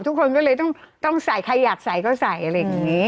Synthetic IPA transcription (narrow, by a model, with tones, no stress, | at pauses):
t̪ʰu˦˥kʰːo˧nk̬ɔː˥˩lɤː˧jt̪̬ɔ˥˩ŋ | t̪ɔ˥˩ŋsa˨˩jkʰa˧jːaː˨˩k̚sa˨˩˦jkɔː˥˩sa˨˩jʔa˧a˧jːŋiː˦˥